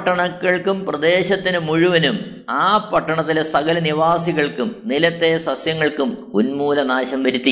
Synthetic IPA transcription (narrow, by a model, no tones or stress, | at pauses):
ʈːɐɳɐkːɐɭkumprɐd̪e̞ːɕɐt̪ːinɨmuɻuʋɐnum | aːpɐʈːɐɳɐt̪ːilesɐɣɐlɐniʋaːsiɣɐɭkumnilɐt̪ːe̞sɐsjɐŋːɐɭkumunmuːlɐnaːɕɐmʋɐɾit̪ːi